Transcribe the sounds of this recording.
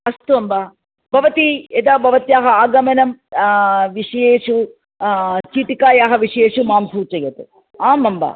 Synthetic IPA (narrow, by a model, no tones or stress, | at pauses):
ɐst̪uɐmbaː | bʱɐʋɐt̪ied̪aːbʱɐʋɐt̪jaːɦɐaːɡɐmɐnɐm | ʋiʂjeːʂu | t͡ʃiːʈ̪ikaːjaːɦɐʋiʂeːʂumaːmsuːt͡ʃɐjɐt̪u | aːmɐmba̰ː